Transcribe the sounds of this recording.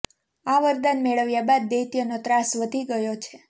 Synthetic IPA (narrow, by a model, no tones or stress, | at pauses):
aʋəɾd̪anmeɭəʋjabad̪̚ːejt̪ijənot̪ɾasʋəd̪ʱiɡəjot͡ʃʰe